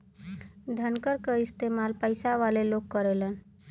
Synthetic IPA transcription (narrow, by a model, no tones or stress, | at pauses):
d̪ʱənkəɾkəist̪emalpəjsaʋalelokːəɾelən